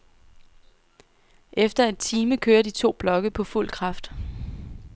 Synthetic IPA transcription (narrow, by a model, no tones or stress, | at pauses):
ʔefd̥ɐe̝d̥̚t͡sʰiːməkʰøːɐd̥it͡sʰo̝̰ːb̥lɒ̽ɡ̥əpʰɒ̽ful̰kʰʁɑ̈fd̥